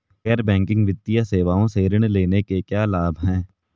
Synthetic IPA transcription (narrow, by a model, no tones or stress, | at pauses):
kɛːɾbɛ̃ːŋkɪ̃ŋɡʋɪt̪ːijaseːʋaːõseːɾəɽ̃leːnekekjaːlaːbʱɦɛ̃ː